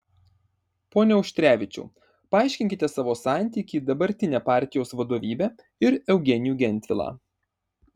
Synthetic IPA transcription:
poːnʲɛɔʊʃʲt̪ʲɾʲæːʋʲɪt͡ʃʲṵː | pɐɑˑɪʃʲkʲɪŋʲkʲɪt̪ʲɛsɑːʋoːsɑˑnʲt̪ʲiːkʲiːd̪ɐbɐɾʲt̪ʲɪnʲæːpɑːˑɾʲt̪ʲɪjoːsʋɐd̪oːʋʲiːbʲæː | ɪɾɛʊɡʲɛnʲɪjuːɡʲɛnʲt̪ʲʋʲɪlˠɑ̰ː

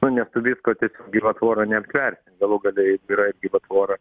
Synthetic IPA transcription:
nʊnʲɛst̪ʊʋʲiːskoːt̪ʲiɛsʲoːk̚ɡʲɪʋɐt̪ʋoːɾɐnʲɛɐpʲt̪ʲʋʲɛrʲsʲɪnɡɐlˠuɡɐlʲɛjɪɡiɾɐɪɡʲɪʋɐt̪ʋoːɾɐ

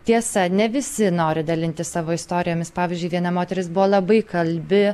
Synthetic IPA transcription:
t̪ʲiɛsɐnʲɛʋʲɪsʲɪnoːɾʲɪd̪ɐlʲɪnʲt̪ʲɪssɑːʋoːɪst̪oːɾʲɪjoːmʲɪspɑːʋʲɪːzʲd͡ʒʲʊɪʋʲiɛnɐmoːt̪ʲɛɾʲɪsbʊʋoːlˠɐbɐɪkɐlʲbʲɪ

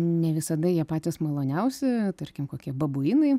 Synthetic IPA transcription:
nʲɛʋʲɪsɐd̪ɐjiɛpɑːt̪ʲɪsmɐlˠoːnʲɛʊsʲɪt̪ɐɾʲkʲɪmkoːkʲiɛbɐbʊjinɐɪ

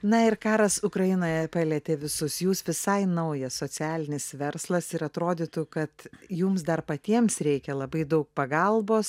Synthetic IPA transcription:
nɐɪrkɑːɾɐsʊkɾɐjɪnoːjɛpɐlʲɛːt̪ʲeːʋʲɪsʊsjuːsʋʲɪsɐɪnɐʊjɛssoːt͡sʲæːlʲɪnʲɪsʋʲɛɾslˠɐsɪɾɐt̪ɾoːd̪ʲit̪ʊkɐt̪jumsd̪ɐrpɐt̪ʲiɛmsɾʲɛɪkʲɛlˠɐbɐɪd̪ɐʊk̚pɐɡɐlˠboːs

